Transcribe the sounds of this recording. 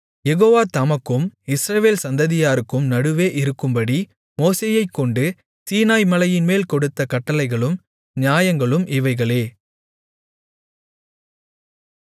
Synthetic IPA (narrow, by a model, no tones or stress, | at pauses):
jɛɣoːʋaːt̪ɐmɐkːɯmɪsɾɐʋeːlsɐnd̪ɐðɪjaːɾɯkːɯmnɐɽɯʋeːʔɪɾɯkːɯmbɐɽi | moːseːjɐɪkːɔɳɖɯ | siːnaːjmɐlɐjɪnmeːlkɔɽɯt̪ːɐkɐʈːɐlɐɪɣɐɭɯm | ɲjaːjɐŋɡɐɭɯmʔɪʋɐɪɣɐɭeː